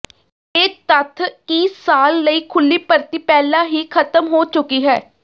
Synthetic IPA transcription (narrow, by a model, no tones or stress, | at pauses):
eːt̪ət̪ʰiːsaːlːəiːkʰʊlːiːpəɾt̪iːpɛːlãːɦiːkʰət̪əmɦoːt͡ʃʊkːiːɦɛː